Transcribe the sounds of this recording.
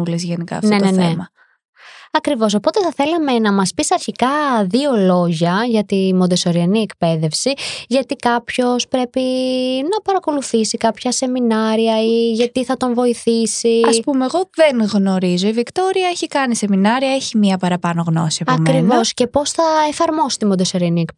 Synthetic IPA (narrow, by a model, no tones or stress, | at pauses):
ulezʝenikɐ̰ɐ̰fone̞nenemɐ | ɐkɾivo̞so̞po̞t̪e̞θɐθe̞lɐme̞nɐmɐspisɐɾçikɐðio̞lo̞ʝɐʝɐt̪imod̪eso̞ɾiɐniekpe̞ðe̞fsiʝɐt̪ikɐpço̞spɾe̞pinɐpɐɾɐko̞luθisikɐpçɐse̞minɐɾiɐiʝɐt̪iθɐt̪o̞nvo̞iθisiɐspumeːɣo̞ðenɣno̞ɾizo̞ivikt̪o̞ɾiɐeçikɐnise̞minɐɾiɐeçimiɐpɐɾɐpɐno̞ɣno̞siɐɐmɾivosce̞po̞sθɐefɐɾmo̞si̥t̪imod̪esoɾiɐniek